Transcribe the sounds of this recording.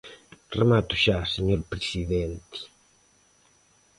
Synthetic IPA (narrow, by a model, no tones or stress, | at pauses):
remat̪ʊʃaseɲoɾpɾesiðɛnt̪i̥